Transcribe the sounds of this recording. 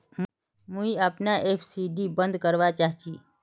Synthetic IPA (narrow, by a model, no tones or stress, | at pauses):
mũiəpnaʔepʰsiɖibə̃nd̪kəɾʋat͡ʃaːɦt͡ʃiː